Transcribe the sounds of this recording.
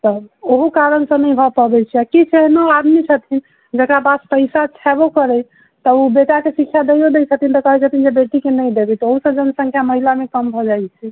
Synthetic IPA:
t̪ɔoɦukaɾənsə̃nəjbʱɔpəbɛt͡ʃʰiakit͡ʃʰeɦnoad̪mit͡ʃʰət̪ʰin | d͡ʒəkɾabad̪pəɪsat͡ʃʰɛbokəɾə | t̪əubeʈakesikʰːjad̪əjjod̪et͡ʃʰət̪int̪əkəɦɛt͡ʃʰət̪ind͡ʒebeʈikenəjd̪ebɛt̪ɔoɦusəd͡ʒənəsə̃ŋkʰjaməɦilamekəmbʱɔd͡ʒajt͡ʃʰɛ

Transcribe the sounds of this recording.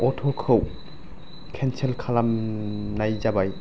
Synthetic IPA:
ɔtʰɔkʰɯw | kʰɛnselkʰalamnajzabaj

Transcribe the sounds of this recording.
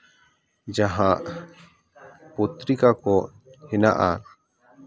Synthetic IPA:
d͡ʒaɦãʔ | put̪ɾikakɔ | hɛna̰ʔa

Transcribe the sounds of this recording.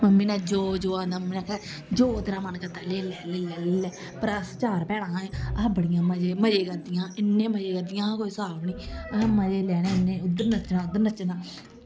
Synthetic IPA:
məmːĩːnaːd͡ʒoːd͡ʒoːaːnd̪aːməmːiːnãːkɛ | d͡ʒoːd̪ɪnãːmənkəd̪aːleːlɛːleːlɛːlːɛː | pəɾəst͡ʃaːɾpɛːɽ̃ãːẽːabəɽɪjãːməd͡ʒeːməd͡ʒeːkəd̪ɪjãːɪnːẽːməd͡ʒeːkəd̪ɪjãːkoːiːsaːbniːməd͡ʒeːlɛːɽ̃eːɪnːẽːʊd̪əɾnət͡ʃnãːʊd̪ːəɾnət͡ʃnaː

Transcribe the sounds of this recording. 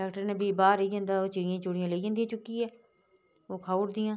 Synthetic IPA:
ɛːkʈəɾnebʱiːbaːɾeiɡẽːnd̪aːoːt͡ʃɪɾɪjãːt͡ʃoɽɪjãːleːij̃ːnd̪ijãːt͡ʃʊkːiɦɛː | oːkʰaːuɾd̪ɪjãː

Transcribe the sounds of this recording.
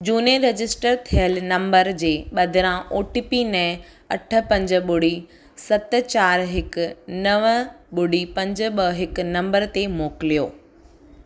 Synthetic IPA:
d͡ʑuːneɾɐd͡ʑɪsʈəɾt̪ʰijəlnɐ̃mbəɾd͡ʑeːɓɐd̪ʱɪɾãʔoːʈipinɛ̃ː | ɐʈʰə̆pɐ̃ɲd͡ʑɓʊɽi | sɐt̪̆t͡ɕaːɾɦɪkʊ̆nɐʋ | ɓʊɽipɐ̃ɲd͡ʑɓəɦɪk̆nɐ̃mbəɾt̪emoːkɪlijoː

